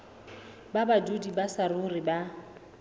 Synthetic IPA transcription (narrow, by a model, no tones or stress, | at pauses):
babadudibasarʊriba